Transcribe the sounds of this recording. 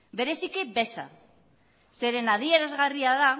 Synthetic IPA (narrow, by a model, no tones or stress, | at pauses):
be̞ɾesikebe̞sa | se̞ɾenaðieɾazɣariaða